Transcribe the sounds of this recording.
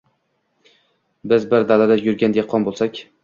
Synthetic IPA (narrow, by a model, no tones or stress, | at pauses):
bɪzbɪɾd̪alad̪ajʊɾɡʲand̪eqʰːɒnbolˠsakʲ